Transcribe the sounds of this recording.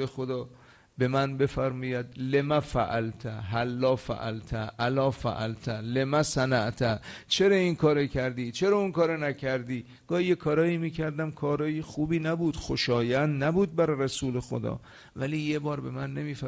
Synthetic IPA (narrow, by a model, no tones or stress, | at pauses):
exod̪ɒː | be̞mænbe̞fæɾmɒːjæd̪lemæfæʔælt̪ʰæɦælːɒːfæ̰ʔæ̰lt̪ʰæʔælɒːfæ̰ʔælt̪ʰælemæsænæʔt̪ʰæt͡ʃʰe̞ɾɒːinkʰɒːɾecʰæɾd̪iːt͡ʃʰe̞ɾɒːunkɒːɾɔnæcʰæɾd̪iː | ɡ̥ɒːhijekʰɒːɾɒːimiːcʰæɾd̪æmkʰɒːɾɒːjexuːbiːnæbuːd̪̥xoʃɒːjænd̪næbuːd̪̚bæɾræsuːle̞xo̰d̪ɒ̰ː | væliːjebɒːɾbe̞mænːe̞miːfæ